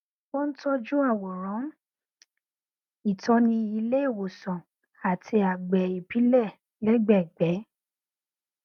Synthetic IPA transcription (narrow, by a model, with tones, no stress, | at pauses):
bo˦n̩˦tɔ˦d͡ʒu˦a˦˨wo˨ɾɔ̃˨˦ | i˦˨tɔ̃˧˦nĩ˧i˧le˦i˦˨wo˨sɔ̃˨ | a˨tʰi˧a˨ɡ͡bɛ˨i˨pi˨˦lɛ˦˨ | lɛ˦ɡ͡bɛ˦˨ɡ͡bɛ˨˦